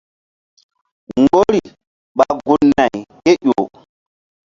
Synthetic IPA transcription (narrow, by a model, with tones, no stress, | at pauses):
ŋɡo˦ɾi˨ | ɓa˨ɡu˦nːa˨jke˦ʔo˨